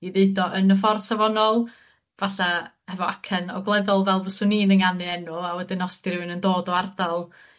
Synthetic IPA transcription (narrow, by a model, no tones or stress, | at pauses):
iðeɨdɔʔənəfɔrsavɔnɔlˠ | vaɬa | hɛvɔakʰənɔɡlˠɛðɔlˠvɛlˠvɔsʊniːnəŋanɨɛnʊawɛdɪnːɔsdirɪwɨnəndoːdɔardalˠ